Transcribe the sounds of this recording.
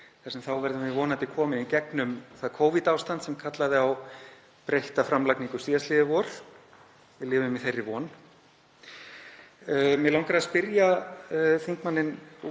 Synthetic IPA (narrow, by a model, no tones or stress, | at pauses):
θasɛmθawvɛɾðʏmvɪvɔːnant̪ɪkʰɔːmɪnicɛknʏmθaðkʰoːwvit̪aːwst̪ant̪sɛmkʰat̪laðɪaw | pɾejht̪afɾamlakniŋkʏ̥siːðast̪lɪːðɪvɔːɾ̥ | vɪðlɪːvʏmiθejrːɪvɔːn | mɛðlawŋkaɾaðspɪɾja | θiŋkmanːɪn